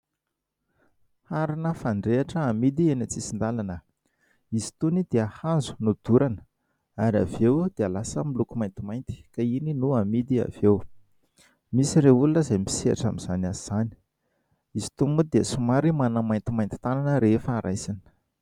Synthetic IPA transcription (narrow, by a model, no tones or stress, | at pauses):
haɾinəfaɳɖ͡ʐeaʈ͡ʂəːmid̪ienat͡sisind̪alanə | izi̥t̪unid̪̥eahazu̥nud̪̥uɾanə | aɾa̰vewd̪̥ealasəmilukumajnt̪imajnt̪i̥kaininuamid̪ia̰v̥ew | misireulunəzajmpi̥sia̰ʈ͡ʂamiz̥anaziz̥ani̥ | izi̥t̪umud̪eəsumaɾimanəmajnt̪imajnt̪i̥t̪ananəɾefaːɾʔajsanə̥